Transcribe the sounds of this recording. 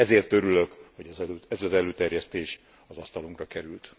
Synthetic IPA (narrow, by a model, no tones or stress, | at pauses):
ɛzeːrt̪ø̞ɾyløkho̞ɟɛzɛløːɛzɒzɛløːt̪ɛrjɛst̪eːʃ | ɒzɒst̪ɒluŋkrɒkɛɾylt̪